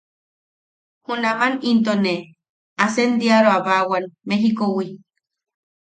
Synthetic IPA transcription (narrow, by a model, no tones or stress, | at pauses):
hunamanint̪̬one | asend̪iaɾoaβawanmeɦikowi